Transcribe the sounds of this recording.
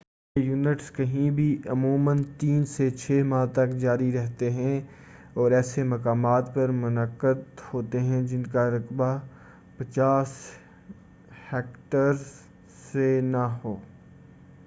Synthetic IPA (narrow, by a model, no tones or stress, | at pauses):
ejuːnɪʈskɐɦĩbʱiʔɐmuːmənt̪iːnset͡ʃʰeːmãːt̪ɐkd͡ʒaːɾiɾɛɦt̪eɦɛ̃ | ɔːɾɛːsemɐkaːmaːt̪pɐɾmʊnəqːəd̪hoːt̪eɦɛ̃d͡ʒɪnkaɾɐkba | pɐt͡ʃaːs | hɛːkʈəɾ | ssenaɦoː